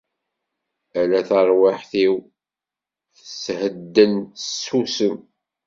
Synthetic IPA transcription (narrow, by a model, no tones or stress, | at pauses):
ælæθəɾˤwaħθiw | θəshəd̪ːənt̪əsusəm